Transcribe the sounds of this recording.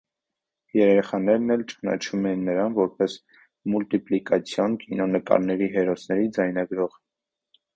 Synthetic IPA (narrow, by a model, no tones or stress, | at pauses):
jɛɾɛɾɛχɑnɛɾnɛlt͡ʃə̥nɑ̰t͡ʃʰumɛjinːəɾɑnvɔɾpɛs | mult̪iplikɑt͡sʰjɔnkinɔnəkɑ̰ɾnɛɾiɦɛɾɔsnɛɾid͡zɑjnɑɡɾɔʁə